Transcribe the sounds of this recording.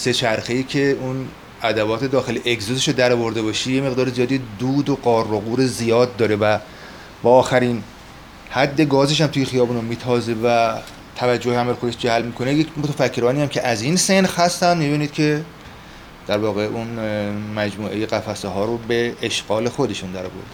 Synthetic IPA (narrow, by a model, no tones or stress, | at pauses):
se̞t͡ʃʰæɾxe̞iːcʰeun | æd̪ævɒːt̪ʰed̪ɒːxe̞leʔekzoseʃod̪æɾɒːvo̞ɾd̪e̞bɒːʃijeme̞ɣd̪ɒːɾezijɒːd̪id̪uːd̪oɡɒːroɣuːɾezijɒːd̪̚ːɒːɾevæ | bɒːxæɾin | hæd̪ːe̞ɡɒːzeʃ̬æmt̪ʰujexijɒːbuːnomiːt̪ʰɒːzevæ | t̪ʰævæd͡ʒːoheæmælexo̞d̪e̞ʃd͡ʒæhælmiːkʰo̞nejecʰmot̪ʰæfæcʰːeɾɒːniːjæmcʰe̞ʔæzinsenhæst̪ænd̪mib̪uːnid̪̚cʰe̞ | d̪̥æɾvɒːɣeʔunmæd͡ʒmuːʔe̞jeɣæfæseɦɒːɾobe̞ːʃɡ̥ɒːle̞xo̞d̪e̞ʃund̪æɾɒ̰ːvo̰ɾd̪e